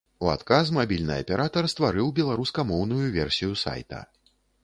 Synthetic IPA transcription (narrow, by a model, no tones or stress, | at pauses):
ua̰t̪kas̬mabʲilʲnɨ̰jɐ̰pʲɛɾat̪ɐrst̪vaɾɨwbʲɛlˠaɾuskɐmɔwn̪ujuvʲɛrsʲijusa̰jt̪ɐ̰